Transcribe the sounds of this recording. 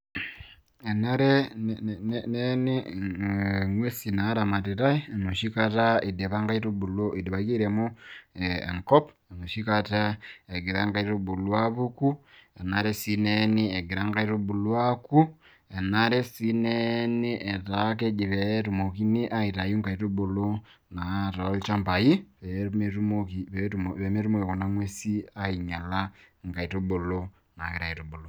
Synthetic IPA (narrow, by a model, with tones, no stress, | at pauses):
e˨na˦ɾe˦nnneni˦ | ŋwe˦si˨na˨˦ɾa˨ma˨te˨ɾa˦i˦˨nu˨ʃi˦ka˦ta˦i˨de˨βa˦ŋɡa˦i˦ɾu˦bu˨lo˦i˨de˨βa˨ki˦ɾe˨mu˦ | ḛ˨ŋko˦p | e˨no˨ʃi˦ka˦ta˦e˨ɡi˨ɾa˦ŋɡa˦i˦ɾu˦bu˨lwa˦βu˦ku˦e˨naɾe˦si˦neni˦e˨ɡi˨ɾa˦ŋɡa˦i˦ɾu˦bu˨lwa˦ku˦ | e˨na˦ɾe˦si˦ne˦ni˦ʔe˨ta˨k̬e˦d͡ʒi˨ɾe˨˦tu˨mo˨ki˦ni˦ʔa˦i˨ta˨ju˦ŋka˨i˨to˦bo˨lo˦ | na˨ta˨˦lt͡ʃa˦mpa˨i˦βeme˦tu˦mo˦ki˨βe˨˦me˦tu˦mo˦˨ke˨ko˨na˦ŋwe˦si˦a˦i˨ɲa˨la˦ŋka˨i˨to˦bo˨lo˦ | na˨ke˦ɾa˨i˨to˨bo˨lo˨